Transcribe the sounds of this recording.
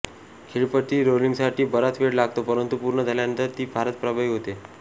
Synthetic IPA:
kʰeɭpəʈ̪iːɾoliŋɡsaʈʰiːbəɾat̪ʋeɽlaɡt̪opəɾənt̪upuɾɳəd͡zʱaljaənt̪əɾt̪iːbʱaɾət̪pɾəbʱaiːɦot̪e

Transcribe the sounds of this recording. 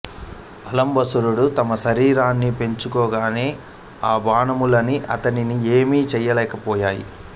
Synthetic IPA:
ɐlɐmbɐsuɾuɽut̪ɐmɐʃɐɾiːɾaːnːipe̞ɲt͡ʃukɔːɡaːne̞ː | aːbaːnɐmulɐniʔɐt̪ɐninieːmiːt͡ʃɛjːɐlɛːkɐpɔːjaːjḭ

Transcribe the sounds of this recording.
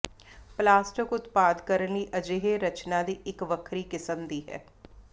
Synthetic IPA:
plaːsʈəkʊt̪paːd̪kəɾənliːʔɐd͡ʒeːɦeɾət͡ʃnad̪iɪkʋəkʰɾikɪsə̃md̪iːɦɛ̰ː

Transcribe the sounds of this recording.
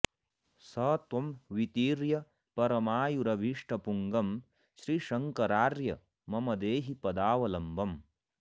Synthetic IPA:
sɐːt̪ʋɐmʋit̪iːɾjɐ | pɐɾɐmaːjuɾɐʋiʂʈɐpuŋɡɐm | ʃɾiʃɐŋkɐɾaːɾjɐ | mɐmɐd̪eːɦipɐd̪aːʋɐlɐmbʱɐm

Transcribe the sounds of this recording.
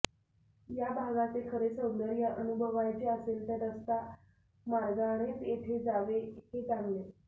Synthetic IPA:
jabʱaɡat̪ekʰəɾesəwd̪əɾjaʔənubʱəʋajt͡ɕeəselt̪eɾəst̪a | mad͡zaɽ̃et̪eʈ̪ʰed͡zaʋehed͡zaŋɡle

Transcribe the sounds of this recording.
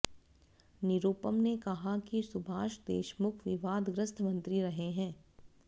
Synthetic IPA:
nɪɾuːpəmnekɐɦakisʊbʱaːʃd̪ḛːʃmʊkʰʋɪʋaːd̪ɡɾəst̪ʰmɐ̃nt̪ɾiɾɐɦeɦɛ̃ː

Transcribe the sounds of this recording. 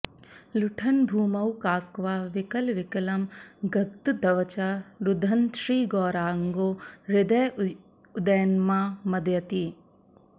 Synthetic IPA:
luʈʰɐnbʱuːmɐwkaːkʋaːʋɪkɐlʋɪkɐlɐmɡɐkt̪ud̪ɐʋɐt͡ʃaɾud̪ʱɐnʃɾiːɡɔːɾaːŋɡoːɾɪd̪ɐj | ud̪ɐjɐnmaːmɐd̪jɐt̪i

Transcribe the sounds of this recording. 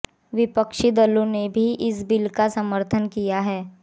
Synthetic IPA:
ʋɪpəkʃid̪əlõnebʱiʔɪsbɪlkasəməɾt̪ʰənkijaɦɛː

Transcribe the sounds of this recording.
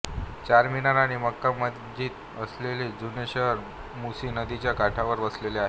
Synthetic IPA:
t͡ɕaɾminaɾaɽ̃iməkːaməd̪d͡ʑʱiːt̪ | əsleled͡zuneɕəɦəɾ | musiːnəd̪it͡ɕjakaʈʰaʋəɾʋəsleleaɦe

